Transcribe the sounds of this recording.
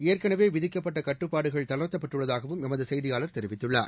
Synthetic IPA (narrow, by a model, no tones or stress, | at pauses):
eːrkɐnɐʋeːʋɪðɪkːɐpːɐʈːɐkɐʈːɯpːaːɽɯɣɐɭt̪ɐlɐt̪ːɐpːɐʈːɯɭːɐðaːɣɐʋɯmɛmɐðɯsɛjðɪjaːlɐɾt̪ɛɾɪʋɪt̪ːɯɭːa̰ːɾ